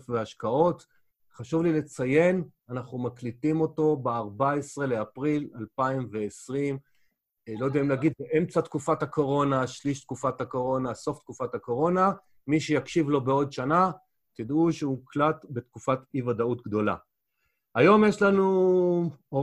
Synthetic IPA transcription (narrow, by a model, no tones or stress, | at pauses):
fveaʃkao̞t | χaʃuvlilet͡saje̞nanaχumaklitimo̞to̞beaʁbaesʁe̞leapʁilalpaimveːsʁim | lo̞d̪eimlaɡid̪̚beʔemt͡satkufathako̞ʁo̞naʃliʃt̪̚kufathako̞ʁo̞naso̞ft̪̚kufathako̞ʁo̞na | miʃejakʃivlo̞beo̞dʃana | t̪id̪uʃeuklatbe̞t̪kufativadaut̪ɡd̪o̞la̰ | ajo̞mjeʃlanu | o